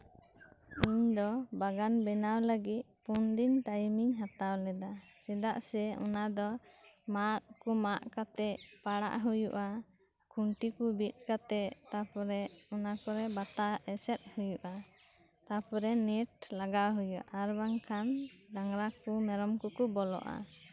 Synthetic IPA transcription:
uɲd̪ɔbaɡanbɛnawləɡit̪̚pund̪inʈajmiŋɦat̪awlɛd̪a | sɛd̪aʔsɛɔ̰nad̪ɔmat̪̚kumaʔkat̪ɛʔpaɽa̰ʔɦujuʔa | kuɳʈikubit̪̚ˀkat̪ɛt̪apɔɾɛɔnakɔɾɛbat̪aʔɛsɛt̪̚hujuʔa | t̪apɔɾɛnɛʈ̚laɡaɦujuʔaɾbaŋkʰand̪aŋɾakumɛɾɔmkɔkubɔlɔ̰ʔa̰

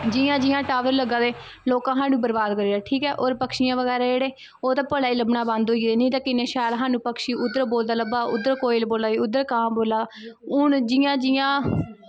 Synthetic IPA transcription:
d͡ʒɪjãːd͡ʒɪjãːʈaːʋəɾləɡãːd̪eː | loːkãːɦaːnũːbəɾbaːd̪kəɾiːaːʈʰiːkɛːʔoːɾpəkʃijãːʋəɡɛːɾaːeːɽeː | oːt̪aːpəɽaːiːləbnaːbãnd̪oːid̪eːnĩːt̪ãːkɪnẽːʃaːjlɦaːnũːpəkʃiːʔʊd̪əɾboːld̪aːləbaːʊd̪əɾkoːɪlboːlaːiːʊd̪ːəɾkãːmboːlaː | ʊɳd͡ʒɪːãːd͡ʒɪjãː

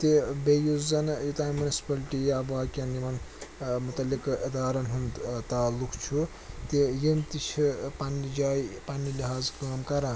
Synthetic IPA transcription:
t̪ebejuzɐnjut̪aːmunisi̥pɐliʈijabaːkʲjɐnimɐnmut̪ɐlːikid̪aːɾɐnɦund̪t̪aːlːukt͡ʃʰu | t̪ijimt̪it͡ʃʰipɐnid͡ʒaːjpɐnːiliɦaːzkaːmkɐɾãː

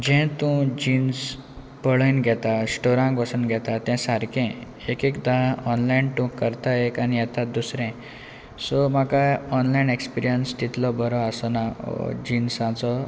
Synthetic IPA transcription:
d͡ʑɛ̃t̪ũd͡ʑins | pəɭəjnɡʱɛt̪asʈoɾãŋkʋəsunɡʱɛt̪at̪ɛ̃saɾkɛ̃ | ekekd̪aɦɔnlainʈ̪ũkəɾt̪aekanijɛt̪ad̪usɾɛ̃ | sɔm̤akajɔnlainekspiɾijənst̪it̪lɔbəɾɔasɔna̰d͡ʑinsãt͡sɔ

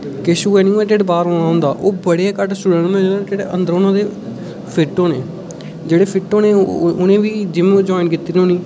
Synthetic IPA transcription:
kɪʃuːɛːniːeːʈeːɖbaːɾoːnaːɦʊ̃ːnd̪aːʔoːbəɽeaːkəʈsʊɽənmɛ̃ːoːʈeːɽeːʔə̰nd̪əɾoːnãːd̪eː | pʰɪʈːõːneː | d͡ʒeːɽeːpʰɪʈːõːneːʊnẽːʋiːd͡ʒɪmẽd͡ʒɔːɪnkiːt̪ːiɾiõːnĩː

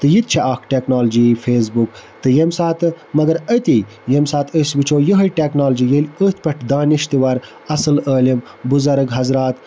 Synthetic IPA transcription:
t̪ɨjit̪̚t͡ʃʰeʔaːkʈeknaːld͡ʒifeːs̬bukt̪ɨjemsaːt̪ɨ | mɐɡɐɾət̪i | jemsaːt̪əsbit͡ʃʰoːjəɦɐjʈeknaːld͡ʒijelʲət̪̚pɐʈʰd̪aːniʃt̪iʋɐɾ | ɐsɨləːlim | buzɐɾəɡɦɐzɾaːt̪

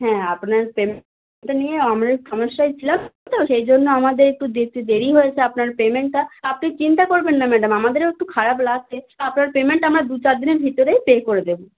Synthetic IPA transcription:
ɦɛ̃apnaɾpem | ʈanijeamɾaʃɔmeɾʃajt͡ɕʰilamt̪oʃejd͡ʑonːoamad̪eɾek̚ʈud̪ɾikt̪id̪eɾiɦojet͡ɕʰeapnaɾpemeɳʈːaapnit͡ɕint̪akoɾbenːamɛɖamamad̪eɾek̚ʈukʰaɾaplat͡ɕʰeapnaɾpemeɳʈamɾad̪ut͡ɕaɾd̪ineɾbʱit̪oɾejpekoɾed̪ebo

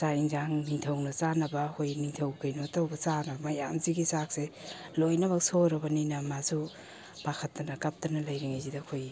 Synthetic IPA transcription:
saiŋzaŋniŋtʰɐwnɐt͡ʃanɐbɐkʰojniŋtʰɐwkajnotawbɐt͡ʃanɐbɐmɐjamziɡisak̚se | lojnɐbɐksoɾɐbɐninamazu | pakʰɐtːɐnɐkap̚tɐnɐlajɾiŋajzidakʰoj

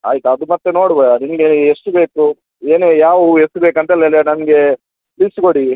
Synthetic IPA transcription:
a̰ːjt̪ɐɐd̪umɐt̪ːeno̞ːɽbɐɐninɐɡeeʂʈube̞ːku | e̞ːneːjaːʋuesʈubeːkɐnt̪ɐɛlːɐɛlːɐnɐnɡe̞ | liskoɽi

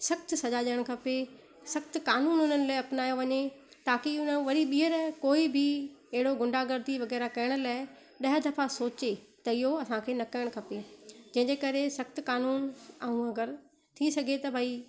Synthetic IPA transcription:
sɐxt̪sɐʄaʄəɽ̃kʰɐpe | sɐxt̪kaːnuːnʊn̤ənɪ̆laːɪɐpnaːjoʋɐɲet̪aːkiʊnəʋɐɾiɓiːɦəɾkoːibʱɪɐɦɪɽoɡʊ̃ɳɖʱaɡɐɾd̪iʋɐɣɛːɾakɐjəɽ̃ʊ̆laːɪ | ɗɐɦəd̪ɐfasoːt͡ɕe | t̪ɐɪɦoɐsãkʰeːnɐkɐjəɽ̃kʰɐped͡ʑɐ̃ɦɪ̃ɲd͡ʑekɐɾesɐxt̪kaːnuːnɐũɐɡəɾ | t̪ʰisɐɡʱet̪ɐbʱaːi

